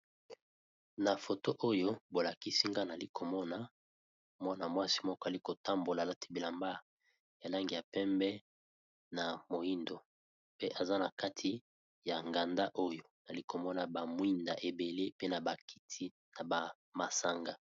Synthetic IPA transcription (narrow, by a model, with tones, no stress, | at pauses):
na˨fo˨to˦ʔo˦jo˦bo˨la˨ki˦si˦ŋɡa˦na˨li˦kʰo˨mɔ˦na˨ | mwa˦na˨mwa˦si̥˦mɔ˦kɔ˦a˨li˦ko˨ta˦mbo˨la˨la˦tʰi˦bi˨la˨mba˦ | ja˨la˦ŋɡi˨ja˨pɛ˦mbɛ˦ | na˨mo˨ji˦ndo˨ | pe˦ʔa˨za˦na˨ka˦tʰi˦ | ja˨ŋɡa˨nda˦ʔo˦jo˦na˨li˦ko˨mɔ˦na˨ba˨mwi˦nda̰˨ʔe˨be˨le˦pe˦na˨ba˨ki̥˦tʰi˦ | na˨ba˨ | ma˨sa˨ŋɡa˦